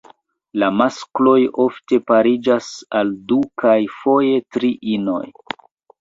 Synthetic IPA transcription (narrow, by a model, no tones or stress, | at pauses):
lamasklo̞jo̞fte̞paɾid͡ʒasaldukajfo̞je̞tɾiʔino̞̰j